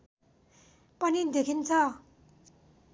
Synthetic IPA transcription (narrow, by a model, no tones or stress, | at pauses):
pʌnid̪ekʰint͡sʰʌ